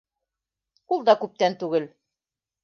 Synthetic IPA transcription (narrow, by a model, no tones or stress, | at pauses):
ulˠd̪ɑkʉp̚t̪ænt̪ʉɡɘl